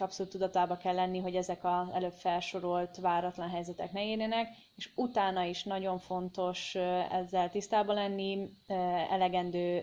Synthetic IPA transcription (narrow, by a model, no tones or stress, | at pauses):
ɒpsoluːt̪ːud̪ɒt̪aːbɒkɛlːɛnːiɦo̞ɟɛzɛkɒzɛ̰løːpfɛlʃo̞ɾolt̪ʋaːɾɒt̪lɒnɦɛjzɛt̪ɛknɛiːrneːnɛk | eːʃut̪aːnɒiʃnɒɟo̞ɱfo̞nt̪o̞ʃɛ̰zːɛlt̪ist̪aːbɒlɛnːi | ɛ̰lɛɡɛnd̪øː